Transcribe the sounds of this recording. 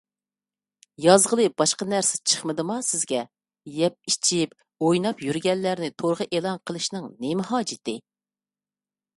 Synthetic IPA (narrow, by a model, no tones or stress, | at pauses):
jɑzʁəlˠɨbɑʃqɑnæɾsɪ̥t͡ʃʰə̥χməd̪ɨmɑsɪzɡʲɛ | jɛp̚it͡ʃʰip̚ | ojnɑpjyɾɡʲɛnːæɾnɪt̪ʰoɾʁəʔelˠɑnqʰəlˠɨʃnɨŋnemɪɦɑːd͡ʒɪt̪ʰɪ